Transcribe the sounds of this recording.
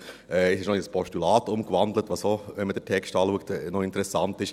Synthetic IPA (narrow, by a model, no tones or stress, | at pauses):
ɛːɪsɪʃnɔɪspʰɔʃtylɑːtʊmkʋɑndlətʋɑsoʋɛnməd̥ətʰɛkstɑːluək̚tnɔɪntəɾɛsɑntɪʃ